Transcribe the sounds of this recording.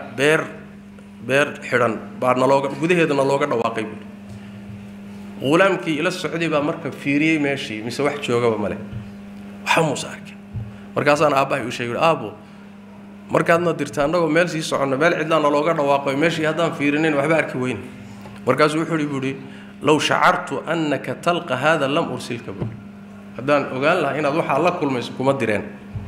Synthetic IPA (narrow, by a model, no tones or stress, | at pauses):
bɛːr | bɛːrħɪɽɐnbanɐlɔːɣɐɡʊðɐɦɛːðɐnɐlɔːɣɐɖɐwɑ̰ːqɛjbuːɽi | ʁʊlaːmkʰiːɪlɐsɔʕd̪iβaːmɐrkʰɐfiːɾɪjɛjmɛːʃiːmɪsɛwɑħt͡ʃɔːɣɐβɐmɐlɛ̰ | wɑħamuːsɐ̰ɐ̰rkʰɛ̥n | mɐ̰rkʰaːs̬aːnaːbɐɦɐʊʃɛːɡɛʊːɽɪʔaːbɔ | mʔɐrkʰaːd̪nɐd̪ɪrt̪ʰaːnːɐɣɔːmɛːls̬iːsɔʕɔnːɐmɛːlʕɪ̰d̪laːnːɐlɔːɣɐɖɐwɑːqɔmɛːʃiːhɐd̪aːnfiːɾɪnɛjnwɑħbɐːrkʰɪwɛjn | mɐrkʰaːs̬uːwʊħʊːjɪɽɪβuːɽɪ | lɐwʃɑ̰ʕɑ̰rt̪ʰʊʔɐnːɐkʰɐt̪ʰɐlqɑɦaːðaːlɐmʔʊrsɪlkʰɐβṵːɽɪ | hɐd̪aːnʔɔɣaːnlɐɦaɪnaːd̪wɑħɑlɐkʰʊlmɛjsɔkʰʊmɐd̪ɪɾɛ̰ːn